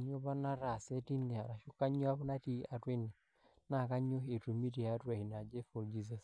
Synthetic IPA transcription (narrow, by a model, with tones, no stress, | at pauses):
a˨ɲo˦pa˦na˦ɾa˨se˦ti˦ne˨a˨ɾa˨ʃʊ˦ka˦ɲɔ˦a˦pʊ˦na˦ti˦a˨twe˦nːɛ˨ | na˦˨ka˦ɲo˦e˨tu˨mi˦ti˨a˨˦twa˨hi˨na˨d͡ʒe˦fɔ˨ɾd͡ʒi˦s̬a˨s